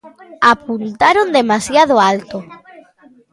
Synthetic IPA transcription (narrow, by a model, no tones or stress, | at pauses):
apunt̪aɾond̪emasjað̞oalt̪o